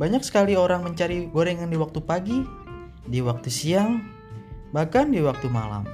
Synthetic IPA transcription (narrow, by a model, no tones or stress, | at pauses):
baɲaksə̥kalioɾaŋməɲt͡ʃaɾiɡoɾeŋandiwak̚t̪upaɡi | diwak̚t̪usiaŋ | bahkandiwak̚t̪uma̰la̰m